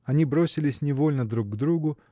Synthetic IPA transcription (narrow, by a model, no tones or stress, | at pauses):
ɐnʲibɾosʲɪlʲɪsʲnʲɪvo̞lʲnəd̪ɾuɡd̪ɾuɡʊ